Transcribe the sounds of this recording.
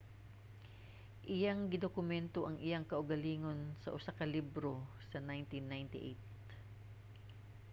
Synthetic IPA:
ʔɪjaŋɡɪd̪okʊmɛnt̪oʔɐŋʔɪjaŋkɐʔʊɡɐliːŋo̞nsɐʔʊsakɐlibɾo̞ | sɐnajnt̪inːajnt̪ɪʔejt̪̚

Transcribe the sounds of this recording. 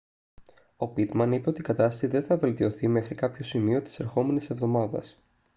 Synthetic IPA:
o̞pit̪mɐnipe̞o̞t̪ikɐt̪ɐst̪ɐsiðe̞nθɐve̞lt̪io̞θime̞xɾikɐpço̞simio̞t̪i̥se̞ɾxo̞me̞nise̞vðo̞mɐðɐ̰s

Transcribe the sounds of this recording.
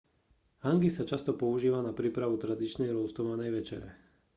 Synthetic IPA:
haŋɡisat͡ʃast̪ɔpɔuʒiːʋanapɾiːpɾaʋut̪ɾad̪it͡ʃnɛjɾʊɔst̪ɔmanɛjʋɛt͡ʃɛ̰ɾɛ̰

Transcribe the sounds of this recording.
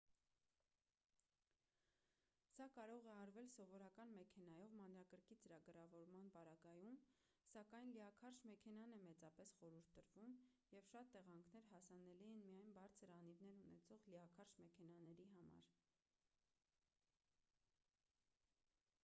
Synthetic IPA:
sɑkɑɾɔʁɛɑɾvɛlsɔvɔɾɑkɑnmɛkʰɛnɑjɔvmɑnɾɑkəɾkit͡səɾɑɡəɾɑvɔɾmɑnpɑɾɑɡɑjum | sɑkɑjnliɑkʰɑɾʃmɛkʰɛn̪ɑnɛmɛt͡sɑpɛsχɔɾuɾt̪ʰːəɾvum | jɛvʃɑt̪ːɛʁɑŋkʰnɛɾɦɑsɑnɛliɛnmijɑjnbɑɾt͡sʰəɾɑnivnɛɾunɛt͡sʰɔʁliɑkʰɑɾʃmɛkʰɛnɑnɛɾiɦɑmɑ̰ɾ

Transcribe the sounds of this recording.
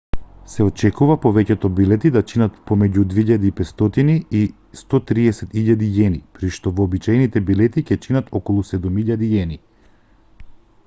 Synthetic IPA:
sɛɔt͡ʃɛkuvapɔvɛcɛt̪ɔbilɛt̪id̪at͡ʃinat̪pɔmɛɟud̪viʎad̪iːpɛt̪st̪ɔt̪inii | st̪ɔt̪ɾiɛsɛt̪iʎad̪ijɛnipɾiʃt̪ɔvɔːbit͡ʃajnit̪ɛbilɛt̪icɛt͡ʃinat̪ʰɔkɔlˠusɛd̪umiʎad̪ijɛni

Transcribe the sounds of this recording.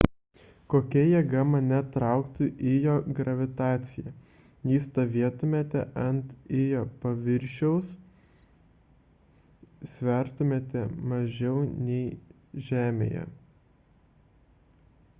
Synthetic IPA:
koːkʲɛjɛɡɑmɐnʲɛt̪ɾɑˑʊkt̪uʔɪjoːɡɾɐʋʲɪt̪ɑːt̪sʲɪjɛ | jiːst̪oːʋʲiɛt̪ʊmʲeːt̪ʲɛʔɐnt̪ɪjoːpɐʋʲɪɾʲʃʲɛʊs | sʲʋʲɛɾt̪ʊmʲeːt̪ʲɛmɐʒʲɛʊnʲɛɪ | ʒʲæːmʲḛjɛ̰

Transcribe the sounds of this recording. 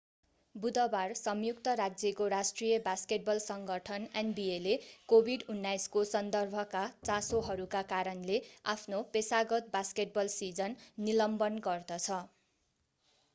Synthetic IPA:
bud̪ʌbarsʌmjukt̪ʌɾad͡zʌkoɾasʈrijʌbaskeʈ̚bʌlsʌŋɡʌʈʰʌnenbielekobʱiɖunːajskosʌnd̪ʌrbʱʌkat͡sasoɦʌɾukakaɾʌnlea̰pʰnopesaɡʌt̪̚baskeʈ̚bʌlsid͡zʌnːilʌmbʌnɡʌrd̪ʌt͡sʰʌ

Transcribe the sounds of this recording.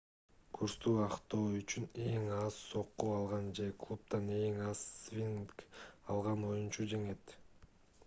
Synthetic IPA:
kʰuɾst̪uːɑqt̪o̞ːyt͡ʃyne̞ŋɑzso̞qːuɑlˠʁɑnd͡ʒe̞klˠup̚t̪ɑne̞ŋɑz̥vʲinkɑlˠʁɑno̞junt͡ʃud͡ʒe̞ŋe̞t̪

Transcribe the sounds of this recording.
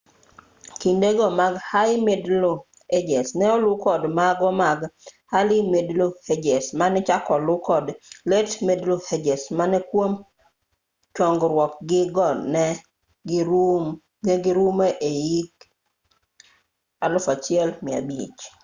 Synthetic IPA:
kindeɡɔmaɡhajmedlo | ed͡ʒɛsnɛɔlʊkɔdmaɡɔmaɡhalɪmedlohed͡ʒɛsmanɛt͡ʃakɔlʊkɔdletmedlohed͡ʒesmanɛkwom | t͡ʃɔŋɡɾwɔkɡɪɡɔnɛ | ɡ | ɛɡɪɾumeʔejik | alʊfat͡ʃɪɛlmɪa̰bḭt͡ʃ

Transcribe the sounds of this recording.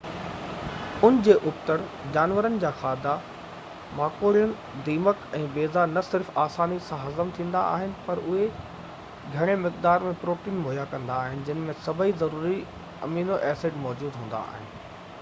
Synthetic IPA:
ʊnɪ̆d͡ʑeːʔʊpt̪əɽd͡ʑaːnʋəɾənɪ̆d͡ʑaːxaːd̪a | maːkoːɽijənɪ̆ | d̪iːməkɛ̃ːbeːzanɐsɪɾfaːsaːnisãɦɐzəmt̪ʰĩːn̆d̪a̰a̰ːɦɪnɪ̆pɐɾʊɦe | ɡʱɐɽ̃emɪkd̪aːɾmẽpɾoːʈiːnmoɦjakɐ̃nd̪aːɦɪnɪ̆d͡ʑɪnɪ̆mẽsɐbʱəizɐɾuːɾi | ɐ̰miːnoʔɛːseːʈmɔːd͡ʑuːd̪ɦũːn̆d̪a̰a̰ːɦɪnɪ̆

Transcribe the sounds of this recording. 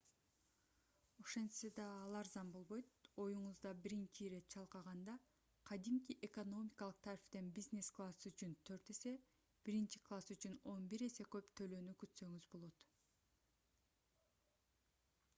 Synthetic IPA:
oʃe̞nt̪sed̪ɑːlˠɑɾzɑmbo̞lˠβo̞jt̪o̞juɴuzd̪ɑbiɾint͡ʃiɾe̞t̪̚t͡ʃʰɑlˠqɑʁɑnd̪ɑ | qʰɑd̪imkiʔekono̞mʲikɑlˠɯq̚t̪ʰaɾift̪e̞nbiznʲesklˠasyt͡ʃynt̪ʰø̞ɾt̪e̞se̞ | b̥iɾint͡ʃi̥klˠasyt͡ʃyno̞nbiɾe̞se̞kø̞pt̪ʰø̞lø̞ːnykyt̪sø̞ŋyzbo̞lˠo̞t̪

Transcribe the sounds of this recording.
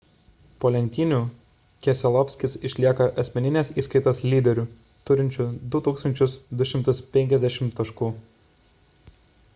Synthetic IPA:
poːlʲɛnʲt̪ʲiːnʲuː | kʲɛsʲɛlˠɔpʲsʲkʲɪsɪʃʲlʲiɛkɐʔɐsʲmʲɛnʲɪnʲeːsiːskɐɪt̪oslʲiːd̪ʲɛɾʲuː | t̪ʊɾʲɪnʲt͡ʃʲʊd̪ʊt̪uːkst̪ɐnʲt͡ʃʲʊsd̪ʊʃʲɪmt̪ʊspʲɛŋʲkʲɛzʲd̪ʲæʃʲɪmtt̪ːɐʃkuː

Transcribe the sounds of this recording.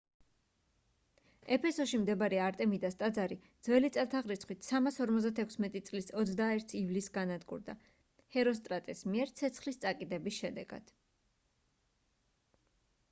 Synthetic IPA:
ɛpʰɛsɔʃimd̪ɛbaɾiaɾt̪ʼɛmid̪ast̪ʼad̪zaɾid̪z̥vɛlit̪sʼat̪ʰaʁɾit̪sʰχwit̪ʰsamasɔɾmɔt̪zd̪at̪ʰɛkʰsmɛt̪ʼit̪sʼlisɔt̪sd̪aɛɾt̪ʰivlisɡanad̪ɡṵɾd̪a̰ | hɛɾɔs̬t̪ʼɾat̪ʼɛsmiɛɾt̪sʰɛt̪sʰχlist̪sʼakʼid̪ɛbisʃɛd̪ɛ̰ɡ̥a̰d̪̥

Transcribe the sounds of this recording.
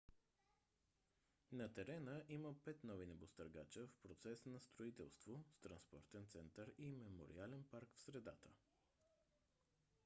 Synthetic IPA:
nɐt̪ɛɾɛnəʔiməpɛt̪nɔvinɛbost̪əɾɡat͡ʃəfpɾot̪sɛsnɐst̪ɾoit̪ɛ̰lˠst̪vost̪ɾɐnspɔ̰ɾt̪ɛnt̪sɛnt̪əɾimɛmo̰ɾḭalɛnpaɾkfsɾɛd̪at̪ə

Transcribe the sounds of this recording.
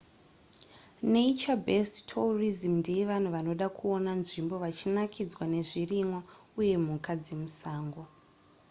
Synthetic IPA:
neit͡ʃabesttʰorizimndijeʋan̤uʋano̞ɗakʰuonanʐimbo̞ʋat͡ʃinakʰid͡zwane̞ʐirimwauje̞mukad͡zemusaːŋɡo

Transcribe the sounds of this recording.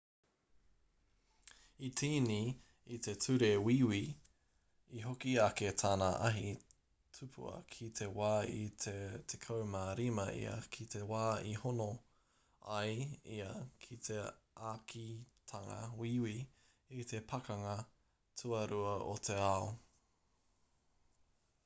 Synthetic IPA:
it̪ʰiːni | it̪e̞tʰʉɾewiːwi | iɦokiaket̪ʰaːnaʔɐ̰ɦi | tʰupʰṵɐ̰kʰit̪ʰewaːitʰet̪ʰekʰɐwmaɾimɐʔḭɐ̰kʰit̪ewaːihono | ɐjiɐkʰit̪ʰeʔaːkʰit̪ʰɐŋɐ̰wiwiː | t̪ʰe̞pʰɐkɐŋɐ | tʰuɐɾuɐʔo̰t̪ʰe̞ao

